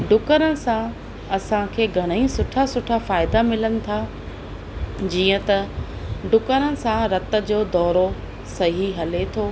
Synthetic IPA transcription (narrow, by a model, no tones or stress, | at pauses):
ɖʊkəɾənɪ̆sã | ɐsãkʰeːɡʱɐɽ̃ĩsʊʈʰasʊʈʰafaːɪd̪amɪlənɪ̆t̪ʰa | d͡ʑiːə̃t̪ɐɖʊkəɾənɪ̆sãɾɐt̪ə̆d͡ʑoːd̪ɔːɾo | sɐɦiɦɐlet̪ʰoː